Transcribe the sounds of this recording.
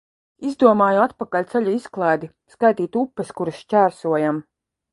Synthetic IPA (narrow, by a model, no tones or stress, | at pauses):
izd̪uɔmaːjuat̪pakalʲt̪sɛʎʲuisklˠaːjd̪i | skajt̪iːt̪upːɐskuɾasʃt͡ʃʲæːɾsuɔjam